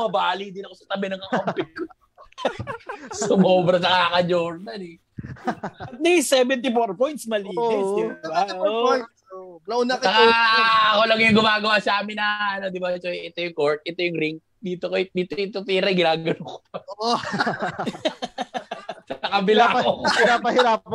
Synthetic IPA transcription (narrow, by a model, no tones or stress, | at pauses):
mɐbaːlid̪ɪnɐkosɐt̪ɐbɛnɐŋɐʔompɪʊ | somɐoːbɾɐnɐkaːkɐd͡ʒoɾnɐlɛ | ɐnɛjsɛbɛnt̪̬ifoɾpojnt̪smɐliːt̪ɪsd̪ɪbaooj | ɐʊnakɐɐ | ɐkolɐɡɪjŋɡʊmaːɡɐwaːsɐaːmɪnɐɐno̞d̪ɪbaɛt̪oʔɛt̪ojʊŋkoɹt̪̚ʔɛt̪ojʊŋɾɪŋk̚d̪iːt̪okod̪iːt̪oɪt̪ot̪iːɾɐɡɪnaːɡɐnoŋko̥ | ɐakɐbɪlaoɾapɐhɪɾaːp